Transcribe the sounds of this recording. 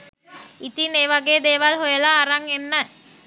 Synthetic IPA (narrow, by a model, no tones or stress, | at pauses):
it̪ineːʋaɡeːd̪eːʋalɦojəlaːɾaŋenːə